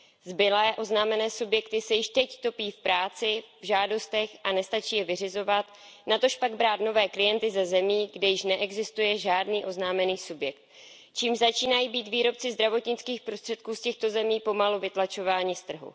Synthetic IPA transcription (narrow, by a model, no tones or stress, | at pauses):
zbɪlɛːʔo̞znaːmɛnɛːsubjɛkt̪ɪsɛjɪʃt̪ɛct̪o̞piːfpɾaːt͡sɪvʒaːdo̞st̪ɛxʔanɛst̪at͡ʃiːjɛvɪr̝ɪzo̞vat̪ | nat̪o̞ʃpaɡ̚bɾaːt̪no̞vɛːklɪjɛnt̪ɪzɛzɛmiːɡdɛjɪʃnɛʔɛɡzɪst̪ujɛʒaːdniːʔo̞znaːmɛniːsubjɛk̚t̪̚ | t͡ʃiːmʒzat͡ʃiːnajiːbiːt̪viːɾo̞p̚t͡sɪzd̪ɾavo̞t̪ɲɪt͡skiːxpɾost̪r̥ɛt̪̚kuːscɛxt̪o̞zɛmiːpo̞maluvɪt̪lat͡ʃo̞vaːɲɪst̪r̩ɦṵ